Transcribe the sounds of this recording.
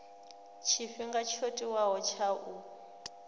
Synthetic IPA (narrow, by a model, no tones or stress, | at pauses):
t͡ʃʰiɸiŋɡat͡ʃʰotʼiwaɦɔt͡ʃʰaʔu